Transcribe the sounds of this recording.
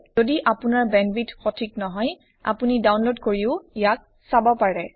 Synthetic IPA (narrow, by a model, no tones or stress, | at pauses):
zodiʔapunaɹbɛnbitxɔtʰiknɔɦɔj | a̰punidawnlodkoɹiʊijak̚ | sabɔpaɹɛ